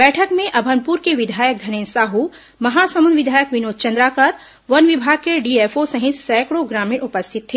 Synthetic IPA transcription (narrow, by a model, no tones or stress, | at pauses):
bɛːʈʰəkmẽʔɐbʱənpuːɾkeʋɪd̪ʱaːjək̚ɡ̪ʱɐnẽːnsaːɦu | mɐɦaːsɐmunʋɪd̪ʱaːjəkʋɪnoːd̪̚t͡ʃɐ̃nd̪ɾakɐɾ | ʋɐnʋɪbʱaːɡ̚keɖiːeːfosɐɦɪt̪sɛːkɽoɡɾaːmiːɾʊpəst̪ʰɪt̪ʰːeː